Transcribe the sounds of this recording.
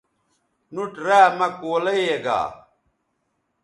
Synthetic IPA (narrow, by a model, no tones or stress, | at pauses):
nuʈɾaːmɐkoːlɐjeɡa̰ː